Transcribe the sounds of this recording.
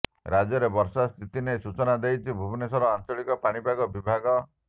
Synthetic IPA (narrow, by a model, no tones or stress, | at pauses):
ɾad͡ʒɔɾebɔɾsast̪ʰit̪inesut͡ʃɔnad̪ejt͡ʃʰibʱubinesɔɾɔant͡ʃɔɭikɔpaɽ̃ibaɡɔbibʱaɡɔ